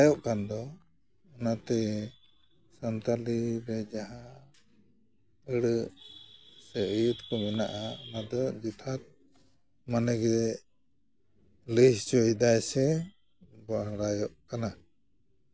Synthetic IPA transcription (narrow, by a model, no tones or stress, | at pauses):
jɔʔkand̪ɔ | ɔnat̪ɛ | sant̪alibɛd͡ʒaɦa | əɽə | sɛʔəjut̪kɔmɛnaʔaɔnad̪ɔd͡ʒit̪ʰat̪̚ | manɛɡɛ | ləst͡ʃɔjd̪ajsɛ | baɽajɔʔkana